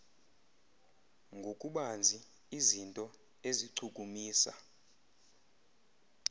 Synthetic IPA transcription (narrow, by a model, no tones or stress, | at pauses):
ŋɡʱokʼuɓand͡zʱi | izintʼɔ | eziǀʰukʼumiːsa̰